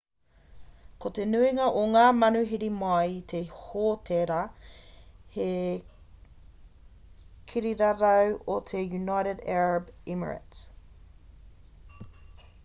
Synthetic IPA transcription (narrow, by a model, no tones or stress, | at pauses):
kot̪enʉiŋɐʔoŋaːmɐnʉɦiɾimɐjt̪ʰehot̪ʰeɾɐ | he | kʰiɾiɾɐɾɐwot̪ʰejunajɾedɛɹəbimə̰ɹə̰ts